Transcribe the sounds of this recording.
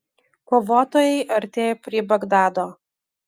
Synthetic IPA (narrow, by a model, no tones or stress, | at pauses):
koːʋoːt̪oːjɛɪʔɐɾʲt̪ʲeːjoːpʲɾʲiːbɐɡd̪ɑːd̪oː